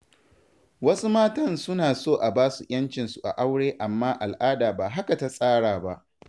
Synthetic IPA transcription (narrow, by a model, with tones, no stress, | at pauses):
wɐ˦su˦maː˦tɐ˦nsʊ˦naː˨soː˦˨ʔa˨baː˦su˨ʔj̰ɐ˦nt͡ʃɪ˨nsu˨ʔa̰˨ʔa˦wɽeː˦ʔa˨mːaː˦ʔa˨lʔaː˦daː˨baː˨ɦa˦ka˨ta˦sʼaː˦ɽaː˨ba˦ʔ